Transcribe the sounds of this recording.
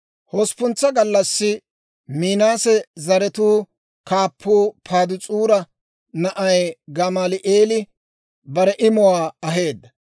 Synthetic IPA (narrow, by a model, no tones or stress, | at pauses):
hɔspʊnt͡sːɐɡɐlːɐsːɪ | miːnaːsɛzɐɾɛt̪uː | kaːpʰːuːpʰaːd̪ʊt͡sʼuːɾɐ | nɐʔɐjɡɐmaːlɪʔe̞ːlɪ | bɐɾɛʔɪmɔwaːɐɦe̞ːd̪ːɐ